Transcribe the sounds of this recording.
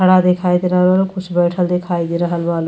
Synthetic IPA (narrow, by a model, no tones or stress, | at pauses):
əɽad̪ekʰajd̪iɾəɦəlbʌlkʰusʰbəjʈʰəld̪ekʰajd̪iɾəɦəlbʌl